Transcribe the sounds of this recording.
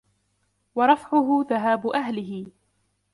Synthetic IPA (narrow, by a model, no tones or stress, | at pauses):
wɑɾˤɑfʕʊɦʊðaɦaːbʊʔaɦlɪɦɪ